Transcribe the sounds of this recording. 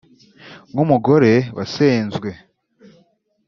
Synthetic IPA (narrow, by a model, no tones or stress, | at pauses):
ŋumuɡo̞ɾe̞wa̰seːnzɡwe̞